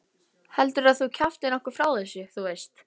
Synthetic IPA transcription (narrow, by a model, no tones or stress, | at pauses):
hɛlt̪ʏɾaðθuwcʰaft̪ɪnɔhkʏɾ̥fɾaːwθɛsʏθuejst̪